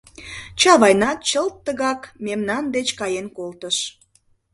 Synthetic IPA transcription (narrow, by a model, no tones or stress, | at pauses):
t͡ɕɑβɑjnɑt̪̚t͡ɕəlt̪ːəɣɑkmemnɑnd̪et͡ɕkɑjenkolt̪əʃ